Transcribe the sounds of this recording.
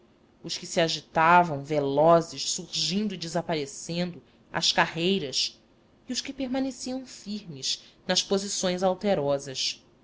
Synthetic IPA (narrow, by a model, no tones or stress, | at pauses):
ʊʃkɪsiaʒit̪avɐ̃w̃velɔzɪʃsuɾʒĩnd̪ʊid͡ʒɪzapaɾesẽnd̪ʊ | ɐ̰ʃkahejɾɐs | iʊʃkɪpeɾmanesiɐ̃w̃fiɾmɪʃnɐʃpozisõj̃zawt̪eɾɔzɐʃ